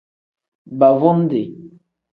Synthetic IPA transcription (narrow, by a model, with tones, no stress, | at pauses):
ba˨vɔ˦n˦de˨